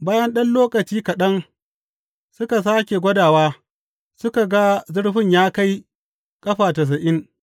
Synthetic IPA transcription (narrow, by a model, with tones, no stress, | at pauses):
baː˦jɐ˦nɗɐ˦nloː˦kɐ˨t͡ʃiː˦kɐ˨ɗɐ˦ŋ | sʊ˦ka˨s̬aː˦kʲe˨ɡʷɐ˦daː˨waː˦ | sʊ˦ka˨ɡa˦zʊ˦ɽɸɪ˦˨ɲjaː˦ka˦j | kʼɐ˦ɸaː˨tɐ˨s̬ɐ˨ʔɪ˦ŋ